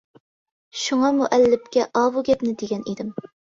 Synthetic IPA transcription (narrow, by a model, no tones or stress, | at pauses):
ʃuŋɑmuʔɛlːɪp̚kʲɛʔɑːwuɡʲɛpnɪd̪eɡʲɛnid̪ɪm